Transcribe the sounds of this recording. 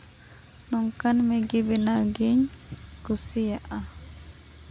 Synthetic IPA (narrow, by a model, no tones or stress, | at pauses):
nɔŋkanmɛɡibɛnaɡiɲ | kusijaʔa